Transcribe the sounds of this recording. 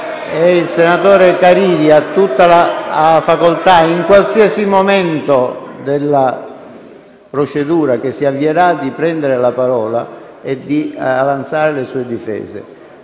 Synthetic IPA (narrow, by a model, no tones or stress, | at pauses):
ɛilsenat̪oːɾekaɾiːd̪iat̪ːut̪ːalafakolt̪aiŋkwalsiasimomɛnt̪od̪elːa | pɾot͡ʃed̪uːɾak̟esːiavːieɾad̪ːipɾɛnd̪eɾelapaɾɔːla̰ | ed̪ːiavant̪saːɾelesuːed̪ifɛ̰ːzḛ